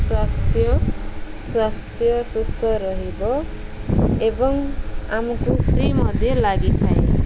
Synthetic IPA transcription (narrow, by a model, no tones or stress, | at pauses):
swast̪jɔ | swast̪jɔsust̪ʰɔɾɔɦibɔ | ebɔŋamɔkupʰɾimʌd̪ʱjɔlaɡit̪ʰae